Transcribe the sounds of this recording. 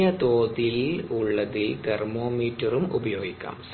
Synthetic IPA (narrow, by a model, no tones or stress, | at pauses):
ɐt̪oːðiluɭːɐðilt̪ermoːmiːtːɐrumubɐjoːɡikʲːɐ̰ms